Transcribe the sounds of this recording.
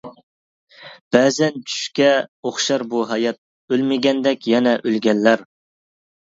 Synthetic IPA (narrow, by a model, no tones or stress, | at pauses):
b̥ɛːzɛnt͡ʃʰy̥ʃkʲɛoχʃɑɾbuɦɑjɑt̪̚ | ølmɪɡʲɛnd̪ɛkʲjɛnɛʔølɡʲɛlːæɾ